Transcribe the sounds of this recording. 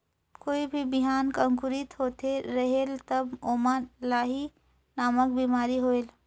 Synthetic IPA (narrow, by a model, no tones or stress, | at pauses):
koːibʱibiɦaːnkə̃ŋkuɾit̪ɦot̪eɾəɦelt̪əbomalaːɦi | naːmək̚bimaːɾiɦoel